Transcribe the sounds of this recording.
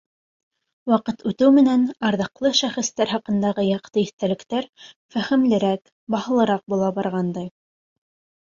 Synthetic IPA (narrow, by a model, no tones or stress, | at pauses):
wɑqɤt̪ʉt̪ɘwmɘ̆nænɑɾðɤ̆qlˠɤʃæχɘ̆st̪æɾɦɑqɤ̆nd̪ɑʁɤjɑqt̪ɤiθt̪ælɘ̆kt̪æɾ | fæχɘ̆mlɘ̆ɾæk | bɑhɤ̆lˠɤ̆ɾɑq̚bulˠɑbɑɾʁɑnd̪ɑj